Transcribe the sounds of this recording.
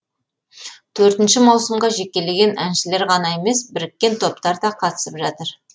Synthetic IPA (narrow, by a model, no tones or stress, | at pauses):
t̪ʰɵɾt̪ɪnʃɪmɑwsəmʁɑʒe̞kʲːe̞le̞ɡʲe̞nʔænʃɪle̞ɾʁɑnɑe̞me̞sbɪɾɪkʲːe̞nt̪ʰo̞p̚t̪ɑɾd̪ɑqʰɑt̪ə̥səpʒɑt̪əɾ